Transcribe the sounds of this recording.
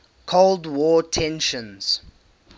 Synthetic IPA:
kʰoʊldwɔːtʰɛ̃nʃə̃nz̥

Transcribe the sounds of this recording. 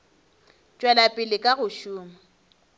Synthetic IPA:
t͡ʃʼwɛlapʼɪlɪkʼaɣʊʃuːma

